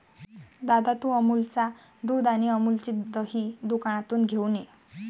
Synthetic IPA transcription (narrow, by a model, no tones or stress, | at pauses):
d̪ad̪at̪uəmult͡sa | d̪ud̪añiəmult͡ɕid̪əɦiːd̪ukaɽ̃at̪uːnɡʱene